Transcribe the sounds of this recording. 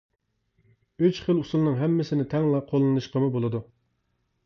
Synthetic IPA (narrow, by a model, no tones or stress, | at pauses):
yt͡ʃχəlˠusulˠnɨŋɦɛmːɪsɪnɪt̪ʰɛŋlˠɑqʰolˠːɨnɨʃqəmubolˠɨd̪u